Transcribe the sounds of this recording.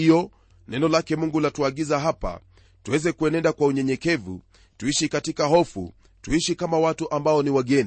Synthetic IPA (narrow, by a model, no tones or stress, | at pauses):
ijɔ | nɛnɔlakɛmuŋɡulatuaɠizaɦapa̰ | tuwɛzɛkuɛnɛndakwauɲɛɲɛkɛvṵ | tuiʃikatikaɦɔfṵ | tuiʃikamawatuʔambaɔniwaɡɛni